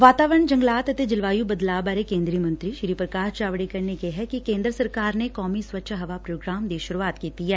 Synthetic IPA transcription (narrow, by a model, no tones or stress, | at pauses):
ʋaːt̪aːʋəɾəɳd͡ʒɐ̃ŋɡlaːt̪ɐt̪ed͡ʒɪlʋaːjubɐd̪laːbaːɾekẽːnd̪ɾiəmɐ̃nt̪ɾiʃɾipɾəkaːʃt͡ʃaːʋɽikɐɾnekeɦɛkikẽːnd̪ɾəsɐɾkaːɾnekɔːmiswʋɐtːʃʰɦɐʋapɾoːɡɾaːmd̪eːʃʊɾuaːt̪kit̪iɦɛː